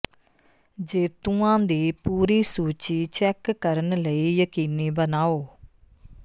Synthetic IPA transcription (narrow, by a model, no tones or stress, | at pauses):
d͡ʒeːt̪ũãːd̪iːpuːɾiːsuːt͡ʃiːt͡ʃɛːkːəɾənləiːjəkiːniːbənaːoː